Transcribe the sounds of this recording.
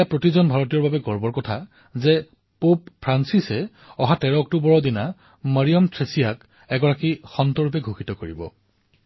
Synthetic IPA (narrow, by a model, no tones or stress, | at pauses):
japɹotizɔnbʱaɹɔt̬ijɔɹbabɛɡɔɹbɔɹkɔtʰa | zɛ | pop̚pʰɹansisɛ | ɔɦatɛɹɔɔk̚tubɔɹɔdina | maɹiɔmtʰɹesijak | ɛɡɔɹakixɔntɔɹupɛɡʱuxitɔkoɹḭbɔ̰